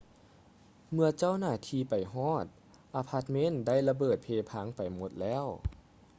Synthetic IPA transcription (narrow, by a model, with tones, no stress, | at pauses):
mɯ˧ɐt͡ɕa˥˩˨wnaː˧˩t̪ʰiː˧pa˨˩jɦɔː˥˩t̪̚ | ʔaː˧pʰa˧˥t̪̚me˦˧˥nda˥˩˨jla˧bɤː˨˩t̪̚pʰeː˧pʰaː˧˥˨ŋpa˨˩jmo˧˦t̪̚lɛː˧˥˨w